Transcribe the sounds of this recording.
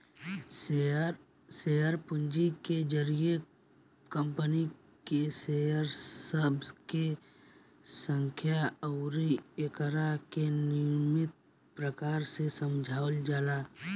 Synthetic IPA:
seəɾpʊnd͡ʒiked͡ʒəɾije | kəmpəni | keseəɾsəbke | sə̃ŋkʰjaəʊɾiekɾakenɪmɪt̪̚ | pɾəkaːɾsesəmd͡ʒʱaːwəld͡ʒaːlaː

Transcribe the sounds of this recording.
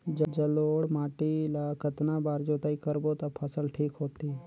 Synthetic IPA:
d͡ʒəd͡ʒəloːɽmaːʈilakət̪nabaːɾd͡ʒoːt̪aːikəɾbot̪apʰəsəlʈʰiːkɦoːt̪i

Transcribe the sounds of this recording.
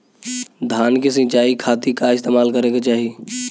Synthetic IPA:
d̪ʱaːnkesɪ̃t͡ʃaːikʰaːt̪ikaɪst̪eːmaːlkəɾeket͡ʃaːɦi

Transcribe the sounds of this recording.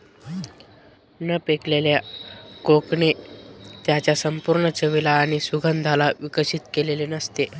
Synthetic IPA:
nəpekleljakokɳet̪jat͡ɕjasəmpuɾɳət͡səʋilaːɽ̃isuɡənd̪ʱalaʋikəɕit̪kelelenəst̪e

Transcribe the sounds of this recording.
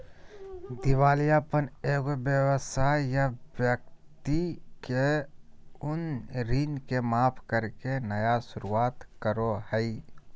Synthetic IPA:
d̪ɪʋaːlijapəneːɡobjəwəsaːijabjək̚t̪ike | ʊnɾiːnkemaːpʰkəɾkenəjaʃʊɾuaːt̪kəɾohɛi

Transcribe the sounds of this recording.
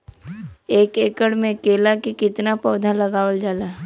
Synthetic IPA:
eːkeːkəɽmẽkeːlakikɪt̪napɔːd̪ʱalɐɡaːwəld͡ʒaːlaː

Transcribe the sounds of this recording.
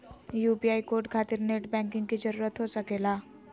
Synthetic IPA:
jupiajkoɾʈkʰat̪iːɾneʈbɛ̃ŋkĩŋɡkid͡ʑəɾuɾət̪ɦosakela

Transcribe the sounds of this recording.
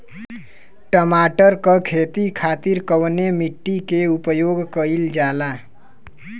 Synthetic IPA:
ʈəmaʈəɾkəkʰet̪ikʰat̪iɾkəwnemiʈːikeupəjoɡkəild͡ʒala

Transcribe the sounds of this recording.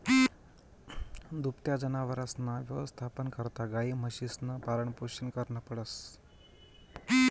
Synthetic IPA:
d̪upt̪jad͡zənaʋəɾasnaʋjəʋəst̪ʰapənkəɾt̪aɡaim̤əɕisnəpaɾəɳpuɕinkəɾɳəpəɽəs

